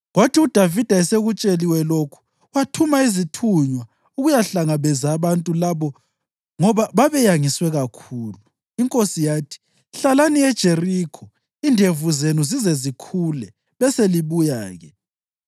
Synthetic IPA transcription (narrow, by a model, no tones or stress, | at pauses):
ɣwatʰiud̥ʱavid̥ʱaɛseɣut͡ʃʼeliwɛlokʰu̥ | watʰumaizitʰuɲwa | uɣujaɬaŋaβɛzaβantʼulaβɔ | ŋɔβaβaβɛjaŋiswɛɣakʰuːlu | iŋkʼosijaːtʰi̥ | ɬalaniɛd̥ʒ̥ʱerikʰɔ | indʱevuzenuzizɛzikʰulɛ | βɛseliβuja̰ːɣɛ